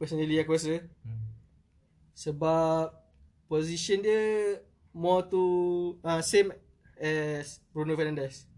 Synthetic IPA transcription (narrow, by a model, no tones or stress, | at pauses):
pɛsɔniliakwɛsə | səbap̚ | poziʃɔndiə | mɔt̪uãsẽm | ɛsbɾunofɛnãndəs